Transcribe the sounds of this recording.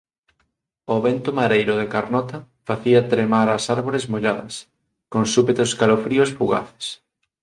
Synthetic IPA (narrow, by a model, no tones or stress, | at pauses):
oβent̪omaɾejɾʊðekaɾnɔt̪ɐ | faθiɐt̪ɾemaɾasaɾβoɾezmoʎaðɐ̰s | koŋsupet̪ʊskalofɾiosfuɣa̰θe̥s